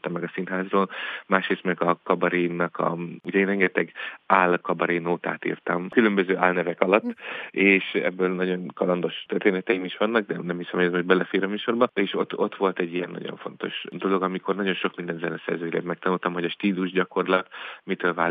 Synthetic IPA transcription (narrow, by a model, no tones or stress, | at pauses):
t̪ɒmːɛɡɒsinɦaːzroːlmaːʃreːst̪mɛɡɒkɒbɒɾiːnːɒkʰɒ̰uɟɛeːnrɛŋɡɛt̪ɛɡaːlkɒbɒɾinoːt̪a̰ːt̪ḭːrt̪ɒmkylø̞mbøzøːʔaːlnɛvɛkɒlɒt̪ːeːʃɛ̰bːøːlnɒɟo̞nkɒlɒnd̪o̞ʃt̪ørt̪eːnɛt̪ɛjimiʃʋɒnːɒɡ̚d̪ɛnɛmhisɛmɛzmhobɛlɛfeːɾɒmyːʃo̞rbɒeːʃo̞̰t̪ːo̞t̪ʋo̞lt̪ɛɟːijɛnːɒ̰ɟo̰ɱfo̞̰n̪t̪o̞̰ʃd̪o̞lo̞ɡɒmiko̞rnɒɟo̞nʃo̞kmind̪ɛnzɛnɛsɛ̰rzøːjlḛːt̪mɛkt̪ɒnult̪ɒmho̞ɟɒʃt̪iːluʒɟɒko̞rlɒt̪mit̪øːlvaː